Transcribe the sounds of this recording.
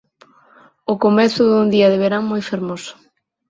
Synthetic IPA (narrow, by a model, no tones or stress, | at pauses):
ʊkomɛθʊðund̪iɐðeβeɾaŋmojfeɾmosʊ̥